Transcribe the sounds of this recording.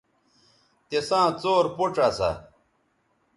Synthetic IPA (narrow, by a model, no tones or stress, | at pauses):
t̪esãːt͡soːɾpoʈ͡ʂasa̰